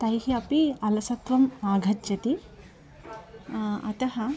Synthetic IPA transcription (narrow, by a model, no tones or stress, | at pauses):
t̪ɐjhiɐpiɐlɐsɐt̪ʋɐmːaːɡʱɐtjɐt̪i | ɐ̰t̪ɐɦɐ